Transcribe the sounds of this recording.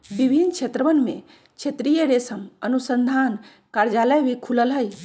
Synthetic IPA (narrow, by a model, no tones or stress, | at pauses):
bibʱinkt͡ʃʰet̪ɾəʋənmḛ̃ | kt͡ʃʰet̪ɾijəɾesəmənusənd̪ʱan | kaɾd͡ʒaləjbʱikʰuləlɦəj